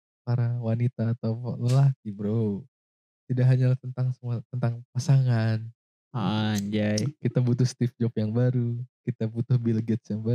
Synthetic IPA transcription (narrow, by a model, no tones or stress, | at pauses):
paɾawanit̪aːt̪aw̰ləlakibɾo | t̪idaʔɦaɲalat̪ənt̪aŋsəmuat̪ənt̪aŋpasaŋan | aɲd͡ʒajkit̪abut̪ʊhst̪ɪfd͡ʒɔpjaŋbaɾukit̪abut̪ʊhbilɡɛt̪sjaŋba